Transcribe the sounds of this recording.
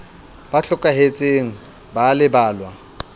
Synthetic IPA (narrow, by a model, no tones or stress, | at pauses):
b̥aɬʊkʼaɦet͡sʼeŋ̩ | balɪbaːlwa